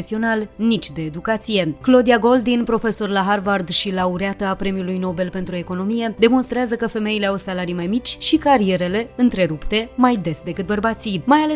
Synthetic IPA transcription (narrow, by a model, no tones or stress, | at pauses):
esio̞nalnit͡ʃʲd̪e̞ːd̪ukat̪sije̞klo̞d̪iaɡo̞ld̪inpɾo̞fe̞so̞rlaɦarvard̪ʃilauɾeat̪əapɾe̞miulujno̞wbe̞lpe̞nt̪ɾue̞ko̞no̞mije̞d̪e̞mo̞nst̪ɾeazəkəfe̞me̞ile̞awsalaɾijmajmit͡ʃʲʃikaɾie̞ɾe̞le̞ɨnt̪ɾe̞ɾupt̪e̞majd̪e̞sd̪e̞kɨt̪bərbat̪simajale